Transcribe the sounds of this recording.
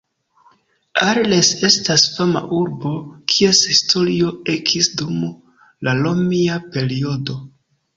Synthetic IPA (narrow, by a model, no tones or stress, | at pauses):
aɾle̞se̞stasfama̰ʔuɾbo̞kʰie̞shistʰo̞lio̞ekʰisdum | lalo̞miape̞ɾio̞do̞